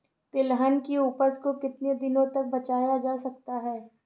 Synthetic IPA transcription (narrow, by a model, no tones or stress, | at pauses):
t̪ɪlɦənkiuːpəskokɪt̪ned̪ɪnõt̪ɐk̚bɐt͡ʃaːjad͡ʒaːsɐk̚t̪aɦɛː